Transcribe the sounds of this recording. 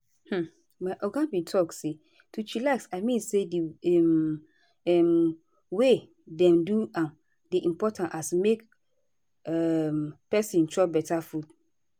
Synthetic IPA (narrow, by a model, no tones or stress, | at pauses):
h̩ | maʔɔɡãnbĩtʰɔkse | tʰut͡ʃilaksamĩnsediɛm | ɛm | we | dɛ̃mduãm | diʔĩmpɔtʰãntasumek | ɛmpɛsĩntʰɹɔbɛtʰafud̥